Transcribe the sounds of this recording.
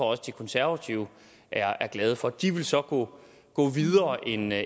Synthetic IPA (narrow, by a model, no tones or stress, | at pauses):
ɒɒ̽səd̥ikʰɔ̽nsæɐʋæt͡sʰiʊə | ʔæɐæɐɡ̥lɛːð̞ˠəfɒ̽d̥iʋe̝lsɒ̽ɡ̥ɔ̰ː | ɡ̥ɔ̰̽ːʋiðˠɐːʔe̝n